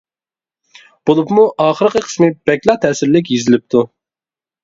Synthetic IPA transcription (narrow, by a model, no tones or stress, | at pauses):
b̥olˠupmuʔɑːχəɾɨqəqʰə̥smɨbɛkʲlˠɑt̪ʰɛːsɪɾlɪk̬ʲjezɪlɪp̚t̪ʰu